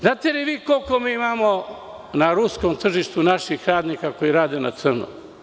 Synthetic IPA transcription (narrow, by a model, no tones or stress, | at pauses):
znaːt̪eliʋiːkolkomiːimamo | naɾuskomt̪r̩ʒiʃt̪unaʃixɾaːd̪nikako̞jiɾaːd̪e̞na̰t̪sər̩nṵ